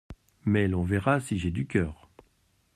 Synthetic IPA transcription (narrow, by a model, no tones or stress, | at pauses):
mɛlɔ̃vɛʁasiʒed̪ykʲœːʁ